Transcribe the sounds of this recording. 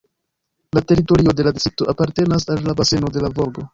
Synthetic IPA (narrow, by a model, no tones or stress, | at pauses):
late̞ɾito̞ɾio̞de̞ladisɾito̞ʔapaɾte̞nasalːabase̞no̞de̞lavoɾɡo̞